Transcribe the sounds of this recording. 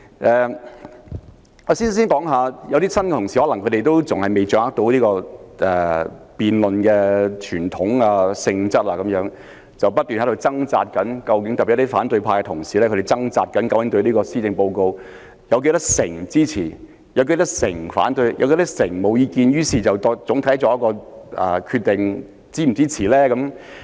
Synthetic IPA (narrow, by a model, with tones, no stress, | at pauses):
ʔɛː˨ | ɔ˨˧siː˥n˨˥si˥nkɔː˨˥ŋɦaː˨˧jɐ˨˧wt̪iː˥sɐ˥nkɛ˧t̪ʰʊ˨˩ŋsiː˨hɔː˨˥lɐ˨˩ŋkʰɵ˨˧ɾe˨jt̪o˥wt͡sʊ˨ŋhɐ˨jme˨jt͡ʃœː˧ŋhaː˥k̚t̪o˨˥wliː˥kɔː˧ʔɛː˨piː˨nlɵ˨nkɛː˧t͡ʃʰyː˨˩nt̪ʰʊ˨˥ŋaː˧sɪ˧ŋt͡sɐ˥t̚laː˧kɐ˨mjœː˨˥ŋ | t͡sɐ˨wpɐ˥t̚t̪yː˨nhɐ˨˥ɾo˧wt͡sɐ˥ŋt͡sa̰ː˧t̚kɐ˨˥nkɐ˧wkɪ˨˥ŋt̪ɐ˨pi˨˩˥faː˨˥nt̪ɵ˧ɥpʰaː˧kɛ˧t̪ʰʊ˨˩ŋsiː˨lɛ˥kʰɵ˧e˨˩t͡sɐ˥ŋt͡saː˧t̚kɐ˨˥nkɐ˨˥wɪ˨˥ŋt̪ɵ˧ɥliː˥kɔː˧siː˥t͡sɪ˧ŋpo˧wko˧w | jɐ˨˧wk̬e˧jt̪ɐ˥k̚sɪ˨˩ŋt͡siː˥t͡sʰiː˨˩ | jɐ˨˧wke˧jt̪ɐ˥k̚sɪ˨˩ŋfa̰ː˨˥nt̪ɵ˧ɥjɐ̰˨˧wke˧˥t̪k̚sɪ˨˩ŋmo˨˧wjiː˧kiː˧njyː˥siː˨˩t͡sɐ˨wt̪ɔ˧t͡sʊ˨˥ŋt̪ʰɐ˨˥jt͡ʃɔː˨˧jɐ˥kːɔː˧ʔɛ̰˨˩kʰy˧t̪̚ɪ˨ŋ | t͡siː˥m̩˨˩t͡siː˥t͡sʰiː˨˩lɛː˥kɐ˨˥m